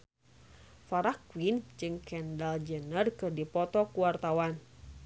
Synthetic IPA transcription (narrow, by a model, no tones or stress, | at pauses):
faɾakwind͡ʒɨŋkɛndald͡ʒənərkɨrdipɔt̪ɔkuwart̪awan